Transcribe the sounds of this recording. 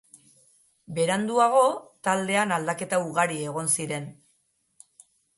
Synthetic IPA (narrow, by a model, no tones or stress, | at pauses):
be̞ɾand̪uaɣ̞o̞t̪ald̪e̞anald̪ake̞t̪auɣaɾie̞ɣ̞o̞nsiɾe̞n